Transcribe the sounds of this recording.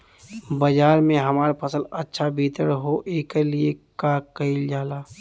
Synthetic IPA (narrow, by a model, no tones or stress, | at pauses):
bəd͡ʒaːɾmẽɦɐmaːɾpʰəsəlɐtːʃʰabʱiːt̪əɾɦoʔeːkliekakəɪld͡ʒaːlaː